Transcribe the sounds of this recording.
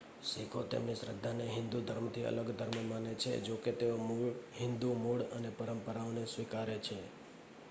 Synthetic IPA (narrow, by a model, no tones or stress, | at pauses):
sikʰot̪ḛmniʃɾəd̪ʱːaneɦɪ̃nd̪ud̪ʱəɾmt̪ʰiə̰ləɡd̪ʱəɾmmanet͡ʃʰḛd͡ʒoket̪eomɦɪnd̪umuɭənepəɾəmpəɾaonesʋikaɾet͡ʃʰe